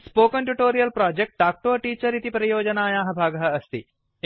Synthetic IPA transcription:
spoːkɐnʈuʈoːɾijɐlpɾaːd͡ʒek̚ʈ̚ɖaːk̚ʈoːɐʈiːt͡ʃɐɾit̪ipɾɐjoːd͡ʒɐnaːjaːɦɐ̆bʱaːɡɐɦɐɐst̪i

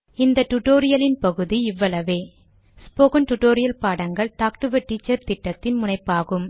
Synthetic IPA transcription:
ɪnd̪ɐʈːʊʈoːɾɪjɐlɪnpɐɣɯðiɪʋːɐlɐʋeː | spoːkɐnʈʊʈoːɾɪjɐlpaːɽɐŋɡɐɭt̪aːk̚ʈɯʋɐʈːiːt͡ʃːɐɾt̪ɪʈːɐt̪ːɪnmʊnɐɪpːaːɣɯm

